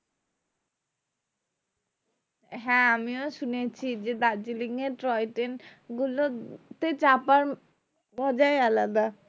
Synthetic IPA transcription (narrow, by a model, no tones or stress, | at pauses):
ɦɛ̃amioʃunet͡ɕʰid͡ʑed̪ad͡ʑiliŋeɾʈɾɔjʈenɡulot̪et͡ɕapaɾ | bɔd͡ʑaealad̪a